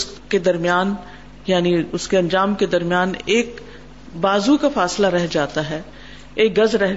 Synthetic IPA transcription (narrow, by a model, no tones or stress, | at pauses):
s | ked̪ɐɾmjaːn | jaːniʊskeɐ̃nd͡ʒaːmked̪ɐɾmijaːneːk | baːzukafaːslaɾɛɦd͡ʒaːt̪aɦɛː | eːk̚ɡɐzɾɛɦ